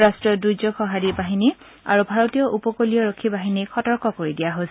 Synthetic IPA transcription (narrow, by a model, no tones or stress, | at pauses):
ɹastɹɔdujzɔxʰɔɦadibaɦini | a̰ɹubʱaɹotijɔʔupɔkolijɔɹokʰːibaɦinikɔtɔɹkɔkoɹidijaɦo